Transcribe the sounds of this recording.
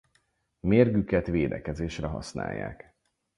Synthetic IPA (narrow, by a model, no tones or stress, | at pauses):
meːrɡykɛt̪ʋeːd̪ɛkɛzeːʃrɛɦɒ̰sna̰ːjːa̰ːk